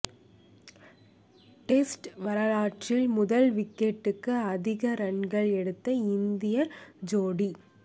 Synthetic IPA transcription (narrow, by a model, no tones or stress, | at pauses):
ʈeːsʈʋɐɾɐlaːʈrɪlmʊðɐlʋɪkːeʈːɯkːɯɐðɪɣɐɾɐɳɡɐɭɛɽɯt̪ːɐɪnd̪ɪjɐɾd͡ʒoːɽi